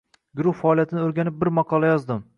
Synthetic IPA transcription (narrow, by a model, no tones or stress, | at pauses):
ɡʊɾʊχfaːlijat̪ʰɪnɪoɾɡʲanɪp̚bɪɾmɑqʰɒlˠajɒzd̪ɪm